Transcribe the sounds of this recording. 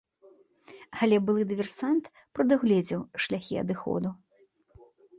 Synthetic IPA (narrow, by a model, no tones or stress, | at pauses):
ɐlʲɛbɨlˠɨd̪ɨvʲɛrsant̪ | pɾɐd̪ɨɣlʲɛd͡zʲiwʂlʲaxʲiɐ̰d̪ɨxɔ̰d̪u